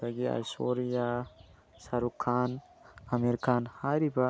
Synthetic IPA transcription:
aɡia̰soɾija | saɾukʰan | ameɾikanhaɾiba

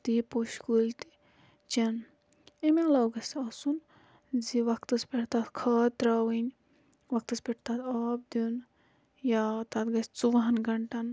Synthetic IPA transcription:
t̪ipoʃkuːlʲt̪i̥ | t͡ʃɐn | emelɐwɡɐsɐsun | ziʋɐkt̪ɐspʲeʈt̪at̪kʰaːt̪ɾawinʲ | ʋɐk̚t̪ɐspʲeʈʰt̪at̪aːb̚d̪un | jat̪ɐt̪ɡɐsʲt͡suʋɐɦɐnɡɐɳʈɐn

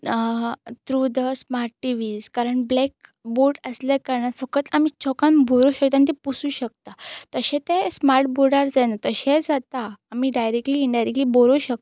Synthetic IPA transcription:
t̪ɾud̪əsmaɾʈʈiʋiːd͡zkaɾəɳblɛkboɾɖəslekaɾɳat̪fəkət̪amit͡ɕɔkãnbʱoɾuɕək̚t̪anit̪ɛ̃pusuːɕək̚t̪at̪əɕẽt̪ẽsmaɾʈ̚boɾɽaɾd͡zanat̪əɕẽd͡zat̪aːmiɖajɾek̚ʈliːɳɖajɾekʈliboɾoɕək̚t̪

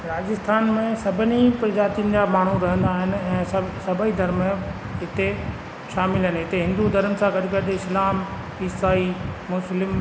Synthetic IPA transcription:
ɾaːd͡ʑɪst̪ʰaːnmẽsɐbʱənipɾd͡ʑaːt̪ijənɪ̆d͡ʑaːmaːɳ̤uɾɐɦə̃nd̪aːɦɪnɪ̆ɛ̃ːsɐsɐbʱəid̪ʱɐɾm̃ | ɦɪt̪e | ʃaːmɪlɦɪnɦɪt̪eɦɪ̃nd̪ud̪ʱɐɾəmsãkɐɗɪ̆kɐɗɪɪslaːm | iːsaːimʊslɪm

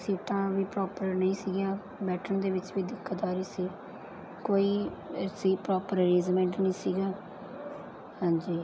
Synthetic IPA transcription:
siːʈãːʋiːpɾɔːpəɾnəĩːsiːɡjãː | bɛːʈʰəɳd̪eːʋɪt͡ʃʋiːd̪ɪkʰːət̪aːɾiːsiː | koːiːsiːpɾɔːpəɾɾiːzmɛ̃ːɳʈnəĩːsiːɡaː | hãːnd͡ʒiː

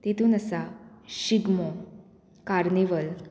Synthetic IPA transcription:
t̪et̪uːnəsaɕiɡmɔ | kaɾneʋəl

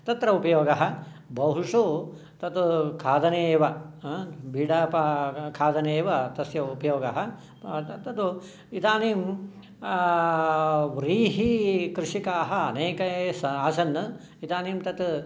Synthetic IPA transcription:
t̪ɐt̪ɾɐupɐjoːɡɐɦɐ̆ | bɐɦuʂoː | t̪ɐt̪ukʰaːd̪ɐneːʋɐ | biːɖaːpɐkʰaːd̪ɐneːʋɐt̪ɐsjɐupɐjoːɡɐɦɐ | t̪ɐt̪u | it̪aːniːm | ʋɾiːɦikɾɪʂikaːɦɐɐneːkɐsɐaːsɐnːɐ | it̪aːniːmt̪ɐt̪

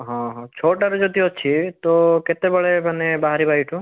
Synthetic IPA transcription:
ɦɔ̃ɦɔ̃t͡ʃʰoʈaɾud͡ʒɔd̪iɔt͡ʃʰit̪ɔket̪ebɔɭemanebaɦaɾibajʈʰu

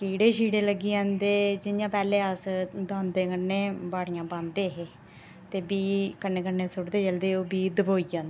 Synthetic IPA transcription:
kiːɽeːʃiːɽeːləɡiːãːnd̪eːd͡ʒɪjãːpɛːleːəsd̪ãːnd̪eːkəneːbaːɽijãːbãːnd̪eːɦeː | t̪eːbiːkəneːkəneːsʊɽd̪eːt͡ʃəld̪eːoːbiːd̪əboːiːd͡ʒãːnd̪e

